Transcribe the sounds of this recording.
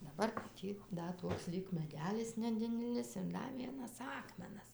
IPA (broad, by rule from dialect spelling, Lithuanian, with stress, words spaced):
dɐˈbɐr ˈtʲiː ˈdɐ ˈtoːks ˈlʲiːk mʲɛˈdʲæːlʲɪs nʲɛˈdʲɪdʲɛlʲɪs ɪr ˈdɐ ˈʋʲiɛnɐs ˈɑːkmʲɛnɐs